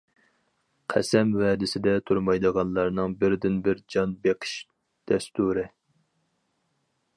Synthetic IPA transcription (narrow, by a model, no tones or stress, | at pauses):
qʰæ̰sɛmwɛːd̪ɪsɪd̪ɛt̪ʰuɾmɑjd̪əʁɑnlˠɑɾnɨŋbɪɾd̪ɪnbɪɾd͡ʒɑnbeqʰə̥ʃ | d̪̥ɛst̪uɾɪ